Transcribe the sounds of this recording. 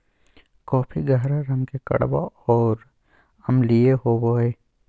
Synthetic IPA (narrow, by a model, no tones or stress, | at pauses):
kɔːpʰiɡəɦɾaɾɐmkekɐ̰ɽba̰ɔːɾ | ɐmlieɦoːboɦɛː